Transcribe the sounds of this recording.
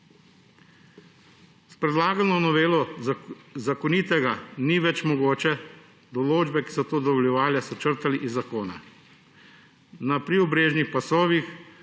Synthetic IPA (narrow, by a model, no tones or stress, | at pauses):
spɾɛd̪laːɡalnɔnɔʋeːlɔ | zakɔnit̪ɛɡaniʋɛt͡ʃmɔɡoːt͡ʃɛ | d̪ɔloːd͡ʒbɛki̥sɔt̪oːd̪ɔʋɔljɛʋaːljasɔt͡ʃəɾt̪aliʔizːakoːna̰ | napɾiɔbɾeːʒnixpasoːʋix